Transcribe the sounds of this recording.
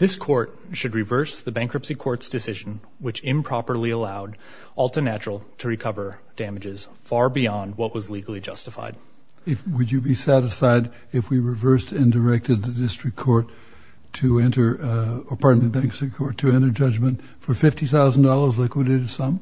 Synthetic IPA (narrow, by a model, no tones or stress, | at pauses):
ðɪskʰɔɹt̚ʃɨd̚ɹɨvɜ˞sðɨbæ̃ŋkʰɹ̥ʌpsikʰɔɹtsd̥ɨsɪʒ̃n̩ | wɨt͡ʃɪ̃mpʰɹ̥ɑpə˞liəlaʊɾ | ʔɔlˠtə˞næt͡ʃɹl̩ˠtʰɨɹɨkʰʌvə˞ | d̥æmɨd͡ʒɪz̥ | fɑɹbiɑ̃nd̚wʌʔ̚wʌzliɡl̩ˠid͡ʒʌstəfa̰ɪd̥̚ | ɪfwɨd͡ʒɨbisæɾɨsfaɪɾ | ɨfwiɹɨvɜ˞stɨ̃ndə˞ɛk̚tɨd̪̚ðɨdɪstɹ̥ɨkʰɔɹtʰ | ɨɛ̃ntə˞əpʰɑɹtmbæ̃ŋkɹsikʰɔɹtʰɨɛ̃ɾ̃ə˞d͡ʒʌd͡ʒmɨ̃nt | fə˞fɪftiθaʊzn̩dɔlˠə˞zlaɪkwiɾɨɾɨsʌ̃m